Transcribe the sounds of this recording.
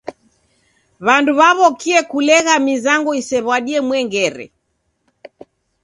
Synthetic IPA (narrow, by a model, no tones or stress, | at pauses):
βanduβaβɔkiɛkulɛɣamizaŋɡɔisɛβwaɗiɛmwɛŋɡɛɾɛ̰